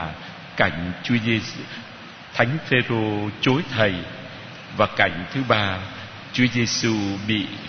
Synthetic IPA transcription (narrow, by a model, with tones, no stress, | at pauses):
ka˧˩jŋ̟t͡ɕi˨˦ze˧ | t̪ʰa˨˦jŋ̟fe˧zo˧t͡ɕo˨˦jt̪ʰə˨˩j | vaː˨˩ka˧˩jŋ̟t̪ʰɨ˨˦ɓaː˧ | t͡ɕu˨˦əze˧su˧ɓḭ˧˨